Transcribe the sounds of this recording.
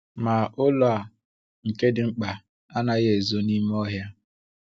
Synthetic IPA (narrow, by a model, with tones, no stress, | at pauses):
ma˨ʔo˦lo˨a˨ | ŋ̩˨ke˦dɪ˨ŋ͡m̩˦k͡pa˨ | a˦na˨ɣe˨zo˦ni˦m˦ɔ˦ɦja˦